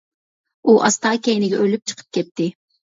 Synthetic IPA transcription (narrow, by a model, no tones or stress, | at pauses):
uʔɑst̪ɑːkʲɛjnɪɡʲɛʔølyp̚t͡ʃʰə̥qʰə̥p̚kʲʰɛt̪ːɪ